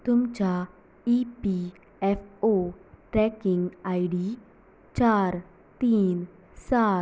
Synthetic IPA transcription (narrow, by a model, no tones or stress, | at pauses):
t̪ʊmt͡ɕa | ipi | ɛfʰoʈɾɛkɪ̃ŋɡaːiɖiː | t͡ɕaːɾ | t̪iːn | saː